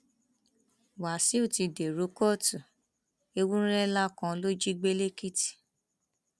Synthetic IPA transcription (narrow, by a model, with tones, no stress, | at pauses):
wa˨si˦u˦˨ti˧de˨ɾo˨˦kɔ˦˨tu˨ | e˧wũ˦ɾɛ˦la˦kã˧˦lo˦d͡ʒi˦ɡ͡be˦le˦ki˦ti̥˨